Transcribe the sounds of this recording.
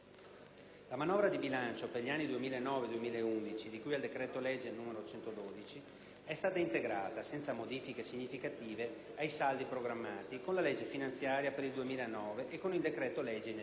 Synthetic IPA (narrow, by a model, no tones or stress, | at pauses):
lamanɔːvɾad̪ibilant͡ʃoperʎianːid̪uemiːlaenːɔːved̪uemiːlaeund̪it͡ʃid̪ikujald̪ekɾɛːt̪olɛd͡ʒːelnuːmeɾot͡ʃɛnt̪od̪oːd̪it͡ʃi | ɛst̪aːt̪aint̪eɡɾaːt̪asɛnt̪samod̪iːfikesiɲːifikat̪iːveajsald̪ipɾoɡɾamːaːt̪ikonlalɛd͡ʒːefinant̪sjaːɾjapeɾild̪uemiːlaenːɔːveʔːkːonild̪ekɾɛːt̪olɛd͡ʒen